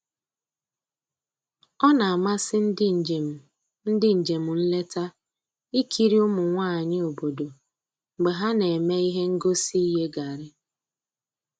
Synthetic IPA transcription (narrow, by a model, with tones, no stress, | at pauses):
ɔ˦na˨a˨ma˦sɪ˦n̩˦˨m̩˨ | n̩˦dɪ˦ɲ̩˨d͡ʒe˨m̩˨n̩˦le˦ta˦ | i˦kʰi˦ɾi˦ʊ˦mʊ˨ŋʷa˦˨ɲɪ˦o˨bo˨do˨ | ŋ͡m̩˨ɡ͡be˨ɦa˦ne˨me˦i˦ɦe˦ŋ̩˦ɡo˦si˦i˦ɦe˦ɡa˨ɾɪ˦